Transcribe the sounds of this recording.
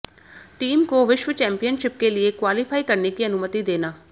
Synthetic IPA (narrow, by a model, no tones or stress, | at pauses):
ʈiːmkoːʋɪʃʋət͡ʃɛ̃ːmpijənʃɪp̚keːlɪeːkwaːlɪpʰaːiːkəɾneːkiːənʊmət̪iːd̪eːnaː